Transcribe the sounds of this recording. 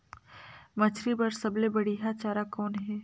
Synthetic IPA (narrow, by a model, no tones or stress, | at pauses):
mɐt͡ʃʰɾibɐɾsɐblebɐɽiɦat͡ʃaːɾakɔːnɦɛː